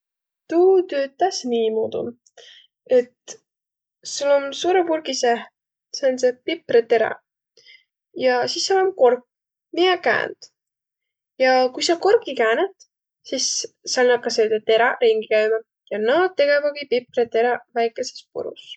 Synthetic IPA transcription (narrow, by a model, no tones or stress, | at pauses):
t̪uːt̪øːt̪ːˑæsniːmoːd̪ṵ | e̞t̪ | sulːo̞nsuːɾepulkise | seonse̞pipret̪e̞ɾɑ̰ | jɑsisːɑolenko̞rkː | miekæ̰ːnd̪̥ | jɑkujsɑkorkikæːnet̪ | sisː | ɑlnɑb̚kɑseːd̪et̪e̞ɾɑɾiŋɡikæjvɑd̪ | jɑnɑːd̪̚t̪ːe̞ɡevɑɡipipret̪e̞ɾɑvæjkːˑe̞se̥spṵɾṵs